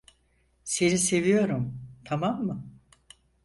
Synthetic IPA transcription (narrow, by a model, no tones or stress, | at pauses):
senise̞vijo̞ɾumt̪ʰamamːɯ